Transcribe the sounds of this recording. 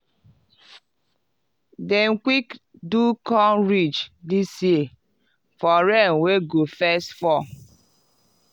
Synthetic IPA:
deŋ̩kʷik | dukɔnɾit͡ʃdisje | fɔɾɛn̩weɡofɛstfɔ

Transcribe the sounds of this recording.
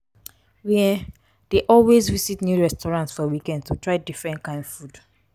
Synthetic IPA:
wiɛ | d̥eʔɔlwezvisitnjuɹɛstɔɹãntsfɔwikɛ̃ndtutʰɹaɪdifɹɛ̃ntkãɪ̃ndfud̥

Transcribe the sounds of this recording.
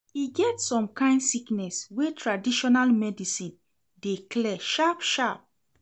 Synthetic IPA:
iɡɛtsɔ̃mkãɪ̃ndsiknɛswetʰɹadiʃɔnalmɛdisĩn | deklɛʃapʃap̚

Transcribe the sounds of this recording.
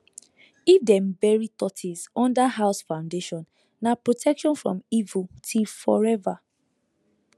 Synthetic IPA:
ifdɛ̃mbɛɹitɔtʰizɔ̃ndaɦaʊsfãʊ̃ndeʃɔ̃n | napɹotʰɛkʃɔ̃nfɹɔ̰̃mivutʰifɔɹɛva

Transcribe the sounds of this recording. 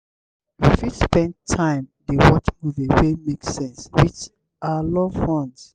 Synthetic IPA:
wifitspɛ̃ntʰãɪ̃mdewɔt͡ʃmuviwemeksɛ̃nswit͡ʃ | ʔalɔ̃fɔ̃n

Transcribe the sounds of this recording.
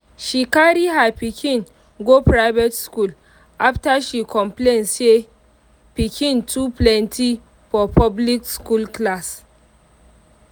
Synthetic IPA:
ʃikaɾiɦapikʰĩn | ɡopɹaɪvɛtskul | ʔaftaʃikʰɔ̃mplense | pikʰĩntʰuplɛntʰi | fɔpʰɔblikskulklas

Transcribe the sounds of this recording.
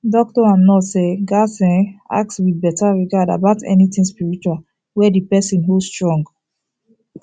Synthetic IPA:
dɔk̚tɔãnnɔseɡasɛ̃a̰k̚swiðbɛtʰaɹiɡada̰baʊtʰɛ̰niθĩŋspiɹit͡ʃuwal | wɛdipɛsĩnɦostɹɔ̃ŋɡ

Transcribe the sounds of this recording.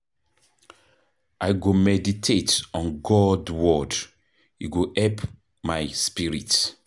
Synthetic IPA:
ʔajɡomɛditʰetɔ̃nɡɔdwɔd | jṵɡoʔɛp | majspiɹit

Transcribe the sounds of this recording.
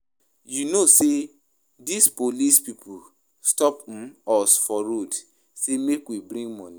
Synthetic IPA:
junose | dispolispipʰu | stɔp̩ɔsfɔɾod | semekwibɾĩŋɡmɔ̃ni

